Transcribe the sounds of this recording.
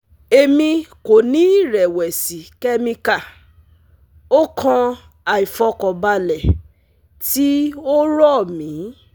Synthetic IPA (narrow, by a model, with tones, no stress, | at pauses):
e˧mĩ˧ko˨nĩ˨˦i˦˨ɾɛ˨wɛ˨si˨kɛ˦mĩ˧ka˦˨ | o˦kʰã˧ | a˨i˨fɔ˧kɔ˨ba˧lɛ˨ | ti˦o˦ɾɔ˦˨mĩ˨˦